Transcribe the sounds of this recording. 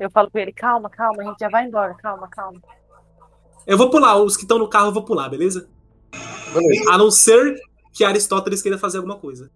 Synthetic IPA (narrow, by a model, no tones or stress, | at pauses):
ewfalʊkɐ̃elɪkawmɐkawmɐʒẽt͡ʃɪʒavajẽbɔɾɐkawmɐkawmɐ | ewvowpulaʊskɪ̥t̪ɐ̃w̃nʊkahʊewvowpulabelezɐ | beeanɐ̃w̃seɾ | kɪaɾist̪ɔt̪elɪskeɾɐfazeɾawɡũmɐkojzɐ